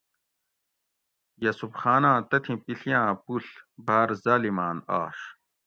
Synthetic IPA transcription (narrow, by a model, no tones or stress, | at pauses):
jɐsubxaːnãːt̪ɐt̪ʰĩpiɬijãːpuɬbʱaːɾzaːlimaːna̰ːʂ